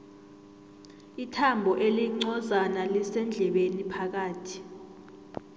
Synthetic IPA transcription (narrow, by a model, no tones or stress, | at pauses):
itʰambʱɔʔeliŋ͡ǀɔzanalisɛnd͡ɮʱɛɓenipʰak̬aːtʰi̥